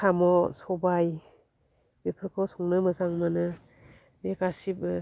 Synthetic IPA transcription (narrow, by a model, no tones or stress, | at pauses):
sʰamɔsɔbaj | bepʰɯɾkʰɔsɔŋnɯmɯzaŋmanɯ | bekasib